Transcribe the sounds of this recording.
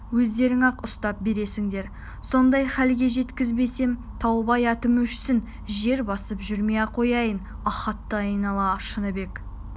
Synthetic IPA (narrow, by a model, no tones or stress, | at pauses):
wɵzd̪e̞ɾɪŋɑqʊst̪ɑp̚be̞ɾe̞sɪŋd̪e̞ɾ | so̞nd̪ɑjχælɡʲe̞ʒe̞t̪kʲɪzbe̞se̞m | t̪ʰɑwbɑjɑt̪əmɵʃsɪn | ʒe̞ɾbɑsəpʒʏɾmeqʰo̞jɑjən | ɑχɑt̪ːəɑjnɑlˠɑʃənəbe̞k